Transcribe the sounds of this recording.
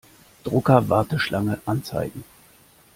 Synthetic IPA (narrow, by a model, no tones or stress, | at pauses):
d̥ʁʊkɐvaɐtəʃlʔaŋəʔant͡sa̰ɪɡŋ̩